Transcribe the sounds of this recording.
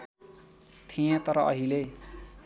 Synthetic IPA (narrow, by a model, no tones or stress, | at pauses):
t̪ʰijẽt̪ʌɾʌʔʌɦile